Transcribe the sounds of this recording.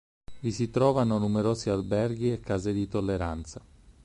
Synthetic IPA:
visit̪ɾɔːvanonumeɾoːzialbɛrɡiekːaːzed̪it̪olːeɾant̪sa

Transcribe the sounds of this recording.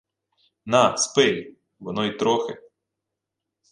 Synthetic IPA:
naspɪj | ʋɔnɔit̪ɾɔxɪ

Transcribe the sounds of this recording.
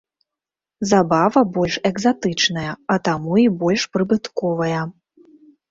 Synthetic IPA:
zabavɐbɔlʲʂɛɡzat̪ɨt͡ʂnɐjɐɐt̪amuibɔlʲʂpɾɨbɨt̪kɔvɐjɐ

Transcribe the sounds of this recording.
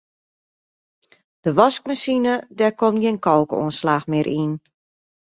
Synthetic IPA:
d̥əʋɔsk̚masinədɛkomtɡenkɔlˠko̰ənslaːxmɪːɾʔin

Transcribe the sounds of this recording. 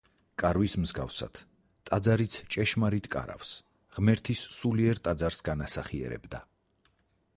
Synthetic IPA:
kʼaɾwismzɡa̰fsa̰d̪̥ʰ | t̪ʼad̪zaɾit̪sʰt͡ʃʼɛʃmaɾit̪ʰkʼa̰ɾa̰fs | ʁmɛɾt̪ʰisːuliɛɾt̪ʼad̪zaɾsɡanasaχiɛ̰ɾɛ̰bd̪a

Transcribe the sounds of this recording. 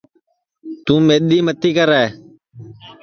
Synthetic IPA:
t̪ũːmeːɗiːmət̪iːkəɾae

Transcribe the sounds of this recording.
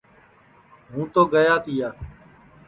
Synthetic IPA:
ɦũːt̪oːɡəjaːt̪iːaː

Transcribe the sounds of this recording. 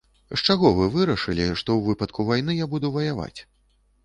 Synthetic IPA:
ʂt͡ʂaɣɔvɨvɨɾɐʂɨlʲiʂt̪ɔwvɨpɐt̪̚kʰuvajn̪ɨjabud̪uvɐjava̰t͡sʲ

